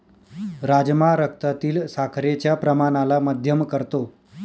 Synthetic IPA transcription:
ɾad͡ʑmaɾək̚t̪at̪iːlsakʰɾet͡ɕjapɾəmañalaməd̪ʱjəmkəɾt̪o

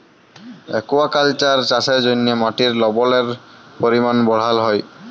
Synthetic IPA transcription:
ɛ̰kuwakalt͡ʃaɹt͡ʃasɛzonijɔmaʈiɹlɔbɔlɛɹpoɹimanbɔɽ̤alɦɔj

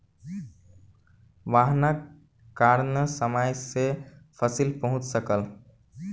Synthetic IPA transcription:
ʋaːɦna | kaɾnəsəmajsepʰəsilpəɦʊ̃t͡ʃsəkəl

